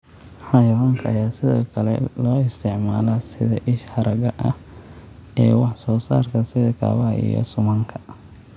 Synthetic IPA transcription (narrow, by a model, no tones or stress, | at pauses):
ħɐjwaŋkʰɐːjaːsɪðɔːkʰɐlɛ̰lɔːɪst̪ʰɪʕmaːlɐsɪðɐʔɪʃhɐɾɐɣɐʔɐh | ɛːwɑħsɔːsa̰ːrkʰɐsɪðɐkʰa̰ːwɐʔḭjɔ̰sʊmɐŋkʰɐ̥